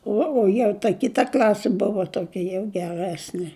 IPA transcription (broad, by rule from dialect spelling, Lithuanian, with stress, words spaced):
ˈuɔ oː jɛʊ tɐ ˈkʲɪtɐ ˈklʲɑːsʲɪ ˈbʊʋɐ toːˈkʲɛ jɛʊ ɡʲɛˈrʲæːsʲnʲɪ